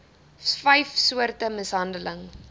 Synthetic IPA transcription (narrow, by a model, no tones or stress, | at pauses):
fɐjfsuərtəməsɦɐndələŋ